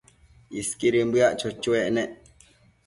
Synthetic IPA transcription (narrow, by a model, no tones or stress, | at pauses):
iskiɾimbɨaʔt͡ʃot͡ʃueʔnẽʔ